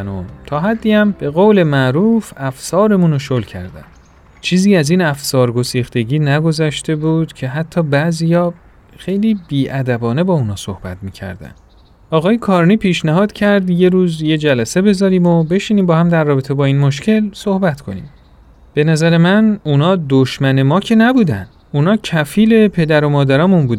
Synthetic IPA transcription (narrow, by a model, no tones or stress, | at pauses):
no̰t̪ʰɒːɦæd̪ːiːæmb̥e̞ɣowle̞mæʔɾuːfæfsɒːɾe̞munoʃolcʰæ̰ɾd̪æ̰n | t͡ʃʰiːziːæziːnæfsɒːɾɡo̞siːxt̪e̞ɡiːnæɡo̞zæʃt̪e̞buːd̪̥cʰe̞ɦæt̪ʰːɒːbæʔzijɒː | xe̞jliːbiːʔæd̪æbɒːne̞bɒːunɒːso̰hb̥æ̰t̪miːcʰæ̰ɾd̪æ̰n | ɒːɣɒːjekʰɒːɾniːpʰiːʃnæɦɒːd̪̥cʰæɾd̪je̞ɾuːzje̞d͡ʒælæse̞be̞zɒːɾiːmobe̞ʃiːniːmbɒːhæmd̪æɾːɒːbe̞t̪ʰe̞bɒːiːnmoʃ̬cʰe̞lso̞hbæt̪kʰo̞̰nḭːm | b̥e̞næzæɾe̞mænunɒːd̪oʃmæne̞mɒːcʰe̞næbuːd̪æn | unɒːcʰæfiːle̞pʰe̞d̪æɾo̞mɒːd̪æɾɒːmunbuːd̪